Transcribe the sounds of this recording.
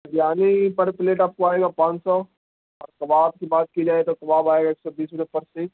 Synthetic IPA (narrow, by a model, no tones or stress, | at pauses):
djaːnepɐɽpɪleːʈaːp̚koaːeːɡaːpãːt͡ʃsɔ | ɔ̰ːɾkɐbaːb̚kibaːt̪̚kid͡ʒaːet̪okɐbaːbaːeːɡaeːksɔbiːsʊʈepɐɾse